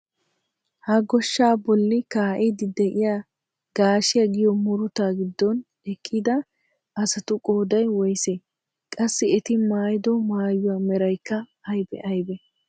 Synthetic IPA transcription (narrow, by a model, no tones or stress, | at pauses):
hɐɡɔʃːaːbɔlːɪkaːʔɛd̪ɪd̪ɛʔɪja | ɡaːʃɪjɐɡɪjɔmʊɾʊt̪aːɡɪd̪ːɔn | ɛkʼːɪd̪ɐ | ʔɐsɐt̪ʊkʼoːd̪ɐjwɔjseː | kʼɐsːɪɛt̪ɪmaːjɪd̪ɔmaːjːʊwaːmɛɾɐjkːɐɐjbɛ̰ʔɐjbɛ